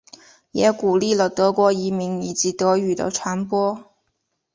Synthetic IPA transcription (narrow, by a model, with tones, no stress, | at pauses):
jɛː˨˧˥kuː˨˩liː˥˩lɔ˨˩t̪ɤː˨˧˥kʷɔː˧jiː˨˧mi˨˩ŋniː˨˩t͡siː˧t̪ɤː˨˧˥jyː˨˩t̪o̰˧˥wt͡ʃʰaː˨˥npwɔː˥